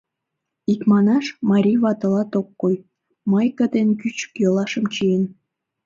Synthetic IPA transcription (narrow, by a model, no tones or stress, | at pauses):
ikmɑnɑʃmɑɾʲijβɑt̪ə̆lɑt̪okːoj | məjkəd̪enkyt͡ɕə̥kjolɑʃə̆mt͡ɕijen